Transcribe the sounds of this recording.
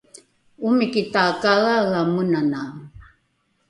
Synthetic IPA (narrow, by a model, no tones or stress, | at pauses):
umikit̪akaɣaɣamunana